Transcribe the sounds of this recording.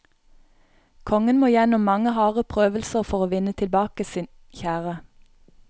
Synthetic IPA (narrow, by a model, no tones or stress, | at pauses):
kʰɔŋənmoːjɛnɔmmɑŋəhɑːʁəpʰʁøːʋəlsəʁfɔʁoːʋɪnət̪ʰɪlbɑːkəsiːn | çæːʁə